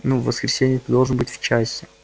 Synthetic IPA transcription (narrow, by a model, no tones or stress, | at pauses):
nuvːəskɾʲɪsʲenʲɪjət̪əd̪o̞lˠʐənbɨtʲft͡ɕasʲɪ